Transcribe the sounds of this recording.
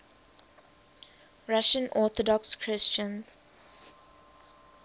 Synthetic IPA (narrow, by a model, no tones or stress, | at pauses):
ɹaʃə̃nʔɔːθɔdɔkskʰɹɪst͡ʃə̃nz̥